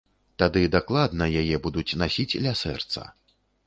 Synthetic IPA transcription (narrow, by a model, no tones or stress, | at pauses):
t̪ad̪ɨd̪aklˠad̪nɐjajɛbud̪ut͡sʲnasʲit͡sʲlʲasɛ̰rt̪sɐ̰